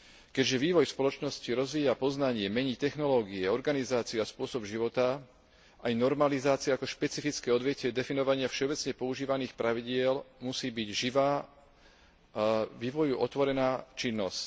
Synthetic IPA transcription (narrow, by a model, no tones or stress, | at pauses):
kɛɟʒɛʋiːʋɔjspɔlɔt͡ʃnɔsciɾɔzʋiːjapɔznaɲɪɛmɛɲit̪ɛxnɔlɔːɡiɛɔɾɡanizaːt͡siuaspʊɔsɔbʒiʋɔt̪a | ʔajnɔɾmalizaːt͡siʊakɔʃpɛt͡sifit͡skɛːɔd̪ʋɪɛcɛd̪ɛfinɔʋaɲɪafʃɛɔbɛt͡sɲɛpɔuʒiːʋaniːxpɾaʋiɟɪɛlmusiːbiɟʒiʋaː | ʋiːʋɔjuʔɔt̪ʋɔɾɛnaːt͡ʃinːɔsc